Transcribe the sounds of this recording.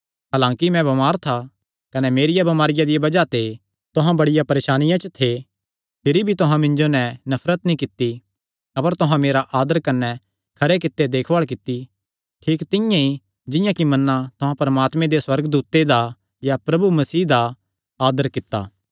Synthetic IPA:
ɦaːlãːkimɛ̃bɐmaːɾt̪ʰa | kɐnɛmeːɾɪjabɐmaːɾɪjad̪ɪjabɐd͡ʒat̪ʰe | t̪ʊɦãbɐɽɪjapɐɾeːʃaːnɪjãt͡ʃət̪ʰe | pʰɪɾibʱit̪ʊɦãmɪ̃nd͡ʒonɛnɐfʰɾət̪nĩkɪt̪ːi | ɐpəɾt̪ʊɦãmeːɾaʔaːd̪əɾkɐnːɛ | kʰɐɾek̬ɪt̪ːed̪eːkʰʋaːɭk̬ɪt̪ːi | ʈʰiːkt̪ɪ̃jãi | d͡ʒɪ̃jãkimɐnːãt̪ʊɦãpɐɾɐmaːt̪mẽd̪eswɐɾɡəd̪uːt̪ed̪a | japɾɐbumɐsiːd̪a | aːd̪əɾkɪt̪ːa̰ː

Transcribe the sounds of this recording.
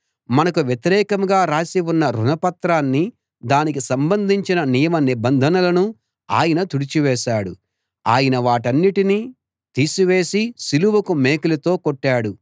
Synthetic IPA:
mɐnɐkuʋjet̪iɾɛːkɐmɡaːɾaːsiwunːɐɾunɐpɐt̪ɾaːnːi | d̪aːnikisɐmbɐnd̪ʱiɲt͡ʃinɐnijɐmɐnibɐnd̪ʱɐnɐlɐnu | a̰ːjɐnɐt̪uɽit͡ʃiʋɛːʃaːɽu | aːjɐnɐʋaːʈɐnːiʈiniː | t̪iːsuʋeːsisiluʋɐkumeːkulɐt̪o̞ːkoʈːaːɽu

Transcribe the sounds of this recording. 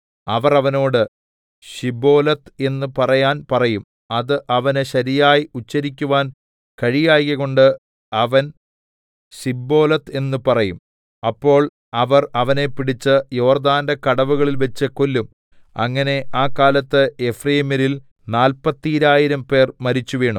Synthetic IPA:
ɐʋɐrɐʋɐno̞ːɽɨ | ɕibo̞ːlɐt̪e̞nːupɐrɐjaːnpɐrɐjum | ɐðɨʔɐʋɐnɨɕɐɾijaːjiut͡ɕːɐɾikʲːuʋaːn | kɐɻijaːjɣɐɣo̞ɳɖɨ | ɐʋɐn | ɕibːo̞ːlɐt̪e̞nːupɐrɐjum | ɐpːo̞ːɭ | ɐʋɐrɐʋɐne̞piɽit͡ɕːɨjo̞ːrd̪aːndɐkɐɽɐʋuɣɐɭilʋet͡ɕːɨkolːum | ɐ̰ŋːɐne̞ʔaːkaːlɐt̪ːɨefrejmɐɾil | naːlpɐt̪ːiiɾaːjiɾɐmpe̞ːrmɐɾit͡ɕːuʋe̞ːɳum

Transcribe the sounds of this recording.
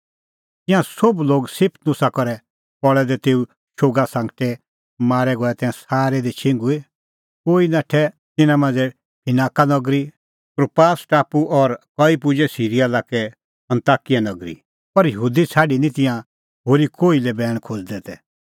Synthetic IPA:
t̪ɪ̃jãsobloːɡsɪpʰt̪nʊsakɔɾɛ | pɔɭɛd̪ɛt̪eːu | ʃoɡasãːŋɡʈɛ | maːɾɛɡɔɛt̪ɛ̃ːãsaːɾɛd̪it͡ʃʰɪ̃ŋɡue | koːinaːʈʰɛ | t̪ɪnãmãːnd͡zɛ | pʰɪnaːkanɔɡɾi | kɾopaːsʈaːpuʔɔɾkɔipʊd͡ʒɛsiːɾijalaːkɛ | ɐ̃nt̪aːkijanɐɡɾḭ | pɐɾjəɦuːd̪it͡sʰaːɖinĩt̪ɪ̃jã | ɦoɾikoːilɛbɛːɽ̃kʰod͡zd̪ɛt̪ɛ

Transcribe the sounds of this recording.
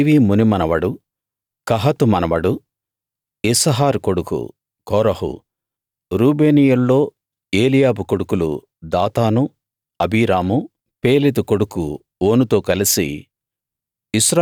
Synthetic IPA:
ʋiːmunimɐnɐʋɐɽu | kɐɦɐt̪umɐnɐʋɐɽu | isɐɦaːɾkoɽukṵ | kɔːɾɐɦṵ | ɾuːbe̞ːnijɐlːo̞ː | e̞ːlijaːbukoɽukulṵ | d̪aːt̪aːnu | ɐbiːɾaːmu | pe̞ːlit̪uko̞ɽuku | oːnut̪o̞ːkɐlisḭ | isɾa

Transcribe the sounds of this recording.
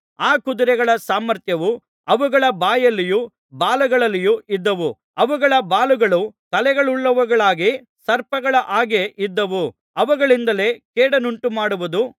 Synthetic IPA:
aːkud̪uɾɛɡɐɭɐsaːmɐɾt̪jɐʋu | ɐʋuɡɐɭɐbaːjɐlːiju | baːluɡɐɭɐlːijuʔid̪ːɐʋu | ɐʋuɡɐɭɐbaːluɡɐɭut̪ɐlɛɡɐɭuɭːɐʋuɡɐɭaːɡi | sɐɾpɐɡɐɭɐʔaːɡe̞ʔid̪ːɐʋu | ɐʋuɡɐɭind̪ɐle̞ːkeːɽɐnuɳʈumaːɽuʋud̪u

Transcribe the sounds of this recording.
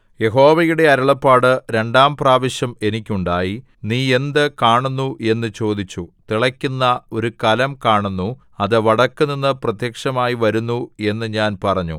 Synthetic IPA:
je̞ɦo̞ːʋɐjuɽe̞ɐɾɐɭɐpːaːɽɨɾe̞ɳɖaːmpraːʋɐɕjɐme̞nikʲːuɳɖaːji | niːe̞nd̪ɨkaːɳunːue̞nːɨt͡ɕo̞ːd̪it͡ɕːut̪iɭɐkʲːunːɐo̞ɾukɐlɐmkaːɳunːu | ɐðɨʋɐɽɐkːɨninːɨprɐt̪jɐkʂɐmaːjiʋɐɾunːue̞nːɨɲaːnpɐrɐɲːṵ

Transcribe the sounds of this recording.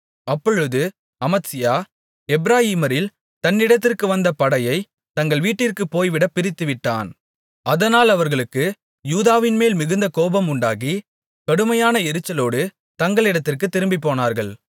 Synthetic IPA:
ɐpːɔɻɯðɯ | ɐmɐtsɪjaː | ɛbɾaːjiːmɐɾɪl | t̪ɐnːɪɽɐt̪ːɪrkɯʋɐnd̪ɐpɐɽɐjɐɪ | t̪ɐŋɡɐɭʋiːʈːɪrkɯpːoːjʋɪɽɐpːɪɾɪt̪ːɯʋɪʈːa̰ːn | ɐðɐnaːlɐʋɐɾɣɐɭɯkːɯ | juːðaːʋɪnmeːlmɪɣɯnd̪ɐkoːbɐmʊɳɖaːɣi | kɐɽɯmɐjaːnɐɛɾɯt͡ʃːɐloːɽɯ | t̪ɐŋɡɐɭɪɽɐt̪ːɪrkɯt̪ːɪɾɯmbipːoːnaːɾɣɐɭ

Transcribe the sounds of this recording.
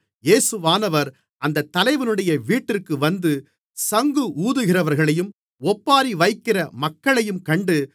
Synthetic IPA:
jeːsɯʋaːnɐʋɐɾ | ɐnd̪ɐt̪ːɐlɐɪʋɐnɯɽɐjɐʋiːʈːɪrkɯʋɐnd̪ɯ | sɐŋɡɯʔuːðɯɣɪrɐʋɐɾɣɐɭɐjɯm | ɔpːaːɾiʋɐɪkːɪrɐmɐkːɐɭɐjɯmkɐɳɖɯ

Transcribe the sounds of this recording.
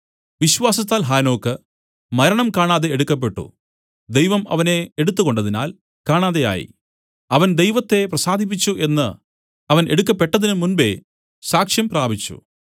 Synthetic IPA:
ʋiɕʋaːsɐt̪ːaːlɦaːno̞ːkːɨ | mɐɾɐɳɐmkaːɳaːðe̞eɽukːɐp̬ːe̞ʈːṵ | d̪ejʋɐmɐ̰ʋɐne̞eɽut̪ːuɣo̞ɳɖɐðina̰ːl | kaːɳaːðe̞ja̰ːjḭ | ɐʋɐnd̪ejʋɐt̪ːe̞prɐsaːd̪ʱip̬ːit͡ɕːuʔe̞nːɨ | ɐʋɐnʔe̞̰ɽukːɐpːe̞ʈːɐðinɨmunbe̞̰ | saːkʂjɐmpraːbʱit͡ɕːṵ

